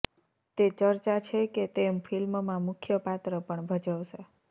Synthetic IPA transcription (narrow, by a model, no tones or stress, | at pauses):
t̪et͡ʃəɾt͡ʃat͡ʃʰeket̪emfʰilmmãmʊkʰjəpat̪ɾəpəɳbʱəd͡ʒəʋʃe